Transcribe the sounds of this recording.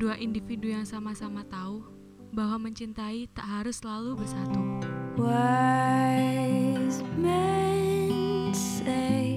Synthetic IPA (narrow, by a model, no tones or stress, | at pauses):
duaʔindifidujaŋsamasamat̪aʊh | bahwaməɲt͡ʃint̪ait̪aʔɦaɾʊslalubərsat̪uwa | zmɛ | s | e